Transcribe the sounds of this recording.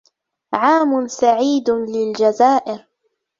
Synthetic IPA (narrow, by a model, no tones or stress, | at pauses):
ʕaːmʊnsaʕiːd̪lɪld͡ʒazaːʔɪɾ